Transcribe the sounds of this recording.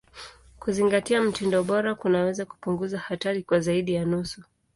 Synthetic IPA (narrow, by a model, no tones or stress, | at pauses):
kuziŋɡatiam̩tindɔɓɔɾakunawɛzaku̥puŋɡuzahataɾikwazaiɗijanusu